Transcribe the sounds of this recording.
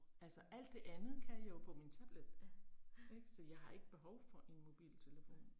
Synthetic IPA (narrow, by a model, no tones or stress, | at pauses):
ælsɒʔæl̰d̥ːe̝ʔænð̩ˠkʰæjɑ̈jo̝pʰɒ̽mint͡sʰæb̥led̥æeɡ̥sɒ̽jɑ̈ɪɦɑ̈e̝ɡ̥əb̥e̝ɦɒʊfɒ̽ʔe̝nmo̝b̥ḭːlt͡sʰe̝ləfo̝̰ːn